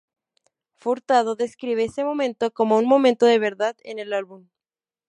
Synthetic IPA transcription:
fuɾt̪aðoðe̞skɾiβ̞eesemo̞mẽ̞nt̪o̞ko̞mounmomẽnt̪oðe̞β̞e̞ɾðaðḛnelalβum

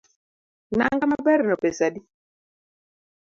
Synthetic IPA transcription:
naŋɡamabɛɾnɔpesadi

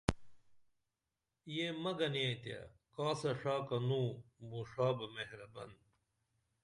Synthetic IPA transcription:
jemɐɡɐniet̪ja̰kaːsɐʂaːkɐnũːbuːʂaːbɐmeɦɾɐbɐ̰n

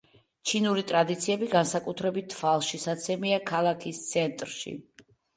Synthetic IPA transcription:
t͡ʃʰinuɾit̪ʼɾad̪it̪sʰiɛbiɡansakʼut̪ʰɾɛbit̪ʰːvalˠʃisat̪sʰɛmiakʰalˠakʰist̪sʰɛnt̪ʼɾʃḭ

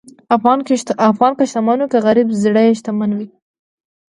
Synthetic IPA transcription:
aɣɑnafɣɑnkaʃt̪amanukaɣaɾibzɽajeʃt̪amanwi

